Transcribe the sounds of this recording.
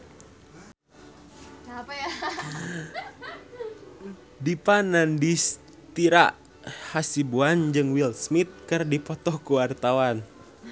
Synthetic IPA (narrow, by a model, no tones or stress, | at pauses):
j | dipanandis | t̪iɾaʔ | hasibuand͡ʒɨŋwilsmit̪̚kɨrdipɔt̪ɔkuwart̪awan